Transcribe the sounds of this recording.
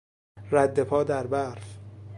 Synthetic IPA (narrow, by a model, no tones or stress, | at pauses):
ræd̪ːe̞pʰɒːd̪æɾbæɾf